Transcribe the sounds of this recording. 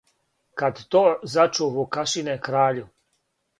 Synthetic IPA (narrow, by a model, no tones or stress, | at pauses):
kad̪t̪oːzat͡ʃuβokaʃinekɾaːʎu